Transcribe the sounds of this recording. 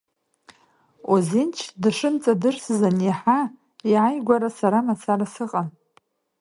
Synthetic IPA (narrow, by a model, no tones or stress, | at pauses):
ozent͡ʃʰdʂɨnt͡sʼadɨrszaniħa | iʕajɡʷaɾasaɾamat͡sʰaɾasɨqʼan